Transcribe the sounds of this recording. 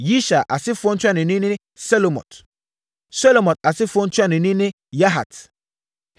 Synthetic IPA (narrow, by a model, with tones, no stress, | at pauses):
ji˦ʃa˨ʔa̰˨sɪ˦fʊ˦ɔ̃˦n̩˦t͡ɕʰᶣa˦nɪ̃˨nĩ˦nɪ̃˦ | sɛ˦lo˨mɔ̰̃˨t | sɛ˦lo˨mɔ̃˨t̚a˨sɪ˦fɔ̃˦n̩˦tʰʊ˦a˦nɪ̃˨nĩ˦nɪ̃˦ | ja˦ɦa̰˨t